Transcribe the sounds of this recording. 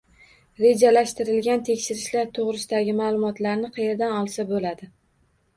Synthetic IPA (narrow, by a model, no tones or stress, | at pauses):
ɾe̞d͡ʒalaʃt̪ɪɾɪlɡʲant̪ʰe̞kʲʃɪɾɪʃlaɾt̪ʰoʁɾɪsɪd̪aɡʲɪmaːlˠʊmɒt̪laɾnɪqʰɑjeɾd̪anɒlˠsabolad̪ɪ